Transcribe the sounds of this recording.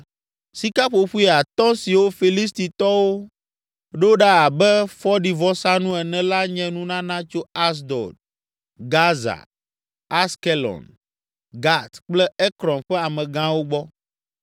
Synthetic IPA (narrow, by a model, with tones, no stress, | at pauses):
si˦ka˦ɸo˨ɸu˦i˨a˨t̪ɔ̃˦si˨wo˦fi˨li˦st̪i˨t̪ɔ˦wo˦ | ɖe˦wo˦ɖa˦a˨bɛ˦fɔ˦ɖi˨vɔ˦sa˦nũ˦ɛ˨nɛ̃˦la˦ɲɛ̃˦nũ˦nã˦nã˦t͡ʃo˦a˦s̬d̪ɔ̰˨d | ɡa˦za̰˨ | a˦ske˦lɔ̰̃˨n | ɡa˦t̪k͡plɛ˦ɛ˦kɾɔ̃˨mɸɛ˦a˨mɛ̃˨ɡã˦wo˦ɡ͡bɔ˦